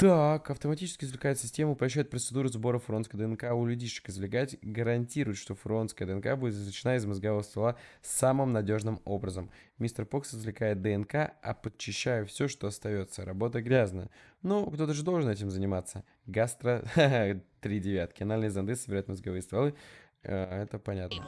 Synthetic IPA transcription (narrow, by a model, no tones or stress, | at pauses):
t̪akɐft̪əmɐtʲit͡ɕɪskʲɪzvlʲɪkajʊt̪sʲɪsʲtʲemʊpɾɐɕ̬ːæjʊt̪̚pɾət̪sɨd̪uɾʊzbo̞ɾəfɾonskəd̪əɛnkaʊlʲʉdʲiʂɨ̥kɨzvlʲɪɡatʲɡəɾɐnʲtʲiɾʊjɪt̪ʂt̪o̞fɾonskəjəd̪əɛnkabudʲɪt̪ɪzlʲɪt͡ɕɪnaɪzməzɡɐvovəst̪ɐlˠasamɨmnɐdʲo̞ʐnɨmo̞bɾəzəmmʲist̪rpoksɨzvlʲɪkajɪt̪̚d̪əɛnkaɐ̰pət͡ɕːɪɕːæjʊfsʲoʂt̪o̞ɐst̪ɐjo̞t̪səɾɐbo̞t̪əɡɾʲaznəjənokt̪o̞t̪əʐɨd̪olˠʐɨnɛtʲɪmzənʲɪmat̪sːə | ɡast̪ɾə | t̪ɾʲidʲɪvʲat̪̚kʲɪɐnalʲnəjəzɐnd̪ɨsəbʲɪɾajʊt̪məzɡɐvɨjəst̪ɐlˠɨ | ɛt̪əpɐnʲat̪nə